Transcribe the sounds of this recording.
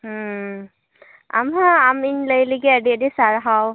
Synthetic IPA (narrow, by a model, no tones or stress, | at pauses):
a̰mɦaaminləjliɡɛədiədisaɹɦaw